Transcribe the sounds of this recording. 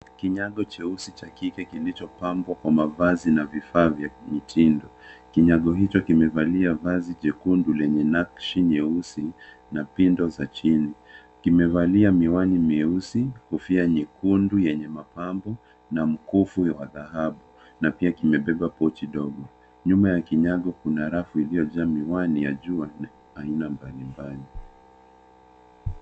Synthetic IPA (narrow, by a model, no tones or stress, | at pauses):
kiɲaɠɔt͡ʃɛusit͡ʃakikɛkilit͡ʃɔpambwakwamavazinavifaːvjamitʰindɔkiɲaɠɔɦit͡ʃɔkimɛvaliavaziʄɛkundulɛɲɛnakʃiɲɛusi | napindɔzat͡ʃini | kimɛvaliamiwanimiusihufiaɲikundujɛɲɛmapambɔ | nam̩kufuwaðahaɓu | napiakimɛɓɛɓapɔt͡ʃiɗɔɡɔ | ɲumajakiɲaɠɔkunaɾafuilijɔd͡ʒamiwanijaʄuan | ainambalimbali